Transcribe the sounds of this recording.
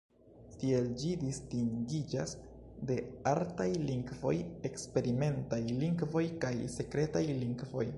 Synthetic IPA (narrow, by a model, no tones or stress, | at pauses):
tie̞ld͡ʒidistiŋɡid͡ʒas | de̞altajliŋɡvo̞je̞kspe̞ɾime̞ntajliŋɡvo̞jkajse̞kɾe̞tajliŋɡvo̞̰j